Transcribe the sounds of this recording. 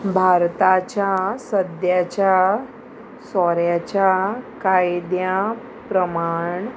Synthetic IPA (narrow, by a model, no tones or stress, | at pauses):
bʱaɾt̪at͡ɕjasəd̪jat͡ɕja | sɔɾjat͡ɕjakajd̪ja | pɾəmaɳ